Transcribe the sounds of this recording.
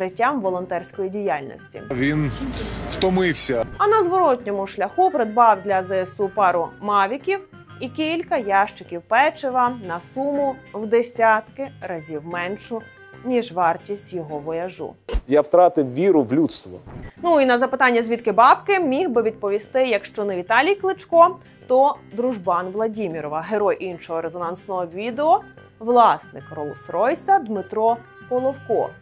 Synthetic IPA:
ɾɪtʲːamʋɔlˠɔnt̪ɛrsʲkɔjidʲijalʲnɔ̰sʲtʲḭʋʲinwt̪ɔmɪwsʲɐɐnɐzʋɔɾɔtʲnʲɔmʊʃlʲɐxupɾed̪bɑwd̪ʲlʲɐzɛesupɑɾʊmɑʋʲikʲiw | ikʲilʲkɐjɑʃt͡ʃɪkʲiwpɛt͡ʃɪʋɐnɐsumʊwd̪esʲat̪kɪɾɐzʲiwmɛnʃʊ | nʲiʒʋɑrtʲisʲtʲjɔɦɔʋɔjɐʒṵjawt̪ɾɑt̪ɪwʋʲiɾʊʋlʲut̪st̪ʋɔ̰nuinɐzɐpɪt̪ɑnʲːɐzʲʋʲit̪kɪbɑbkɪmʲiɦbɪʋʲid̪̚pɔʋʲist̪ɪjɐkʃt͡ʃɔnɛʋʲit̪ɑlʲijklˠɪt͡ʃkɔ | t̪ɔd̪ɾʊʒbɑnʋlˠɐdʲimʲiɾɔʋɐɦeɾɔjʔinʃɔɦɔɾezɔnɑnsnɔɦɔʋʲid̪eɔ | ʋlˠɑsnɪkɾɔlˠʊsɾɔjsɐd̪mɪt̪ɾɔ | pɔlˠɔwkɔ̰

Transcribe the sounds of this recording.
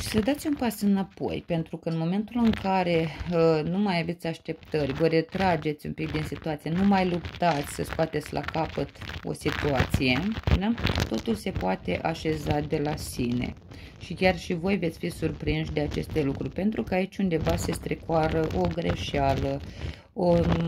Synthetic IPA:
ʃi̥səd̪at̪sʲunpasɨnapo̞̰jpe̞nt̪ɾukəɨnmo̞me̞nt̪ulɨŋkaɾe̞numajave̞t̪sʲaʃt̪e̞p̚t̪ərʲvəɾe̞t̪ɾad͡ʒe̞t̪sʲumpik̚d̪insit̪uat̪sijenumajlupt̪at̪sʲsəskoat̪et̪sʲlʔa̰kapət̪o̞̰sit̪uat̪sije̞d̪at̪o̞t̪ulse̞poat̪e̞̰ʔaʃe̞zad̪e̞lasinḛ | ʃikʲarʃivo̞jve̞t̪sʲfisurpɾinʃd̪e̞at͡ʃe̞st̪e̞lukɾurʲpe̞nt̪ɾukəait͡ʃʲund̪e̞vase̞st̪ɾekaɾəʔo̞ɡɾe̞ʃalə | o

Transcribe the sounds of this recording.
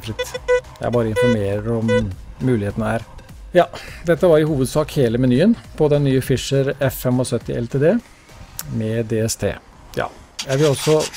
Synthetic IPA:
fɾɪt̪ːjæɪæbɑːɾəɪnfɔɾmeːɾəɾɔmːʉːlɪheːt̪ənəhæːɾ | jɑːd̪ɛt̪ːəʋɑɾɪhuːʋəd̪sɑːkheːləmɛnyːənpʰɔd̪ɛnːyːəfɪʂəɾɛfɛmɔsœt̪ːɪʔɛ̰lt̪ʰeːd̪eː | mɛd̪eːɛst̪ʰḛː | jɑ̰ːjæɪʋɪlɔsːɔ

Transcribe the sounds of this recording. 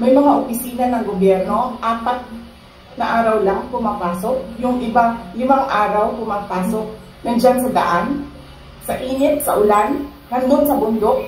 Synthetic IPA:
mɐjmɐŋaʔopɪsiːnɐnɐŋɡobjɛɾno̞ʔaːpɐt̪̚ | nɐʔaːɾɐwlaŋpʊmaːpaːsok̚jʊŋʔɪbalɪmaŋʔaːɾɐwpʊmaːpaːsok̚ | nɐnd͡ʒansɐd̪ɐ̰ʔan | sɐʔiːnɪt̪̚sɐʔʊlan | ɡɐnd̪onsɐbʊnd̪o̞ʔ

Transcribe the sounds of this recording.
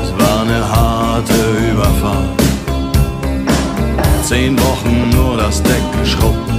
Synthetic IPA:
sv̥aːnəɦatʰəyːbɐfal | t͡seːnvɔχn̩ːuːɐɾasd̥ɛk̚ɡəʃʁɔp̚

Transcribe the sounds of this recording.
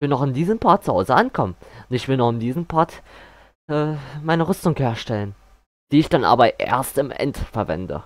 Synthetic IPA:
v̥ɪlnɔχɪndiːzənpʰaɐt̚t͡suhaʊzəʔankʰɔmənʊntɪçv̥ɪlnɔχɪmdiːzn̩pʰaɐt | ʔɛːmaɪnəʁʏstʊŋkheːɐʃtɛlən | d̥iːɪçd̥anʔa̰ːbɐʔḛːɐstɪmʔɛ̰ntfɛɐvɛ̰ndə̰

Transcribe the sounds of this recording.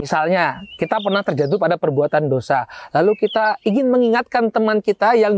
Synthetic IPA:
misalɲakit̪apərnaht̪ərd͡ʒat̪̬upadapərbuat̪andosalalukit̪aiŋɪnməŋiŋat̪̚kant̪əmankit̪ajaŋ

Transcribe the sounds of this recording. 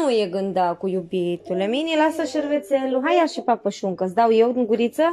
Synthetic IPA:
ujeɡɨnd̪akujubit̪uleminilasəʃəɾvet̪sʲeluɦajaʃipapəʃuŋkəsd̪awjewd̪iŋɡuɾit̪sə

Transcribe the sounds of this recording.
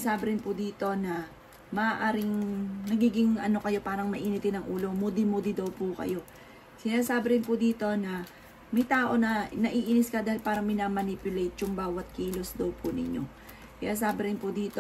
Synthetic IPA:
saːbɪɾɪnpʊd̪iːt̪o̞nɐ | mɐʔaːʔaːɾɪŋnɐɡiːɡɪŋʔɐno̞kɐjo̞paːɾɐŋmɐʔiːnɪt̪ɪnɐŋʔuːlo̞mod̪ɪmod̪ɪd̪ɐwpʊkɐ̰jo̞ | sɪnaːsaːbɪɾɪnpʊd̪iːt̪o̞nɐ | mɐjt̪aːʔo̞nɐnɐʔiːʔinɪskɐd̪aːhɪlpaːɾɐmɪnaːmɐnipjʊlejt̪̚jʊŋbaːwɐt̪̚kiːlo̞sd̪ɐwpʰʊnɪ̰ɲo̞̰ | kɐjaːs̬aːbɪɾɪnpʊd̪iːt̪o

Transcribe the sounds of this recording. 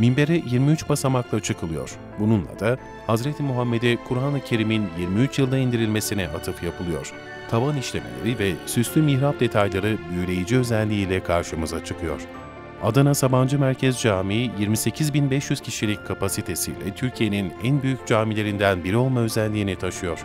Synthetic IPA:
mimbe̞ɾɛjiɾmiyt͡ʃbasamaklˠat͡ʃʰɯkʰɯlˠɯjo̞̰ɾ̥ | bununlˠa̰d̪a | hazɾet̪ʰimuɦamːe̞d̪ɛkʰuɾaːnˠɯcʰe̞ɾiminjiɾmiyt͡ʃjɯlˠd̪aind̪iɾilʲme̞sinɛat̪ʰɯfjapʰɯlˠɯjo̞̰ɾ̥ | t̪ʰavaniʃlʲemḛlʲḛɾivɛsyst̪ʰymiçɾap̚d̪e̞t̪ʰajlˠaɾɯbyjlʲe̞jid͡ʒiø̞zɛlʲːiiːlʲɛkʰaɾʃɯmɯzat͡ʃʰɯkʰɯjo̞̰ɾ̥ | ad̪anasaband͡ʒɯmæɾcʰɛzd͡ʒaːmiːjiɾmisecʰizbinbɛʃjyz̥cʰiʃilʲic̚kʰːapasit̪ʰe̞sḭːlʲɛ̰t̪ʰyɾcʰije̞ninænbyjyc̚ʲd͡ʒaːmilʲe̞ɾind̪ænbiɾio̞lˠmaøzælʲlːʲiːnit̪ʰaʃɯjo̞ɾ̥

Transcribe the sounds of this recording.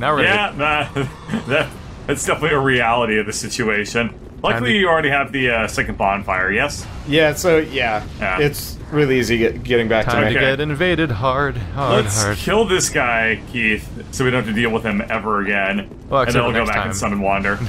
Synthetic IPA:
njæðæ | ðɨt | ɨtsd̥ɛfənətˡlˠiɨɹiælˠəɾiʌvðɨsɪt͡ʃʉeɪʃɨ̃n | laɪklijɨl̩ˠɹɛɾiɨvðɨʌsɛknb̥ɑ̃nd̥faɪə˞jɛs | jæsoʊjæjæɪts | ɹɪlˠiiziɡɛɾɪ̃ŋbæk̚ʰoʊkeɛɾɨ̃nveɪɾɨd̚ɦɑɹd̥̚lətskʰɪlˠðɪsɡ̥aɪkʰiθ | soʊwiɾõḁtɨdilˠwəð̥ɨ̃mɛvə˞ɨɡɛ̃n | ɨ̃nðẽlˠɡoʊbækɨ̃nsʌ̃mə̃nwɑ̃ndə˞

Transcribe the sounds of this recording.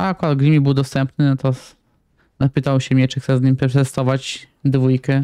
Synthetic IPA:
akad̪ɡlʲimʲibɘwd̪ɔst̪ɛmpnɘnɔt̪ɔ | napɘt̪awɕɛmʲjɛt͡ʂɨxt̪sɛzɲimpɛpɾɛt̪ɛst̪ɔvat͡ɕ | d̪vujkɛ

